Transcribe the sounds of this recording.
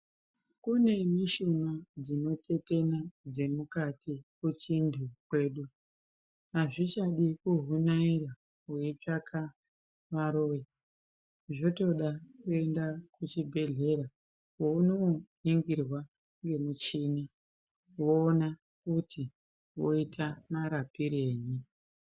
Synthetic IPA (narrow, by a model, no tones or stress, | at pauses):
kune̞miʃunad͡zino̞te̞te̞nad͡ze̞mukatʰikut͡ʃindʱukwe̞ːɗu | aʐit͡ʃaɗikuɦunaira | ɦwet͡ʂakʰa | ʋaɾo̞ːji | ʐoto̞ɗakue̞ndakut͡ʃibʱe̞ɮe̞ɾa | wounoɦiŋɡirwa | ŋɡe̞mut͡ʃiːni | woːna | kutʰi | wo̞̰itʰamaɾapiɾe̞ːɲi